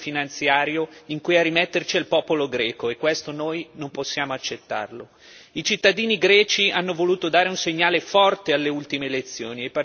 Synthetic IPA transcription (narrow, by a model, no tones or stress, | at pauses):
finant̪sjaːɾjoiŋkujarːimɛt̪ːert͡ʃialpɔːpoloɡɾɛːkoekːwest̪onoːjnomposːjaːmoat͡ʃːet̪ːa̰rlo | it͡ʃit̪ːad̪iːniɡɾɛːt͡ʃianːovoluːt̪od̪aːɾeunseɲːaːlefɔrt̪ealːeult̪imelet̪sːjoːniepa